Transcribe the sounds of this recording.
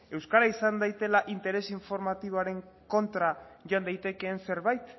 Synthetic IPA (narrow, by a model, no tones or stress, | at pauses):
e̞wskaɾaisand̪ajt̪e̞laʔint̪e̞ɾe̞siɱfo̞ɾmat̪iβ̞o̞aɾe̞ŋ | ko̞nt̪ɾaʝoand̪ajt̪e̞ke̞ːnse̞ɾβajt̪